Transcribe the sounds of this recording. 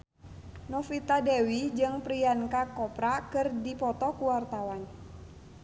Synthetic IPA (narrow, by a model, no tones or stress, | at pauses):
nɔfit̪adɛwid͡ʒɨŋpɾiankakɔpɾakɨrdipɔt̪ɔkuwart̪awan